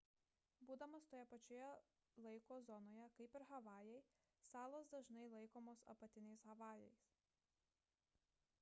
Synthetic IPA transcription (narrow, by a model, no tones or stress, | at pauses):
buːd̪ɐmɐst̪oːjɛpɐt͡ʃʲojɛ | lˠɐɪkoːzɔnoːjɛkɐɪpɪɾɣɐʋɑːjɛɪ | sɑːlˠoːsd̪ɐʒnɐɪlˠɐɪkoːmoːsɐ̰pɐt̪ʲɪnʲɛɪsɣɐʋɑːjɛɪs